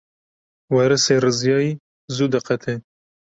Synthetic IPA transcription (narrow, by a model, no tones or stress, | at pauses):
wɛɾɨserɨzjɑːjiː | zud̪ɨqɛt̪ʰe